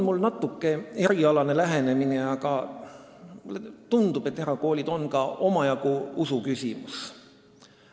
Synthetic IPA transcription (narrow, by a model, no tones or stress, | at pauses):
onmulːnɑt̪ːˑukːe̞e̞ɾiɑlɑne̞læɦe̞ne̞mineɑkɑ | let̪und̪̥ube̞t̪ːeɾɑko̞ːlʲid̪̥o̞nkɑo̞mɑjɑɡuusukysʲimus